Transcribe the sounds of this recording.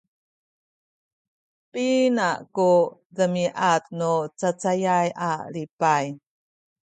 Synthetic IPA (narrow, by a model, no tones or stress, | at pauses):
pʼinakudəmiʔat̪nut͡sat͡sajajʔa̰lipaj